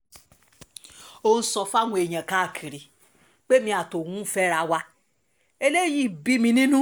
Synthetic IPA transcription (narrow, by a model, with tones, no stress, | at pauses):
o˧n̩˦sɔ˧fa˦w̃ʷɔ̃˧e˨jã˨ka˨˦˨kʰi˨ɾi˨ | k͡pe˦mĩ˧a˨to˨wũ˦fɛ˦ɾa˧wa˧ | e˧le˦ji˦˨bi˦mĩ˧nĩ˦nũ˦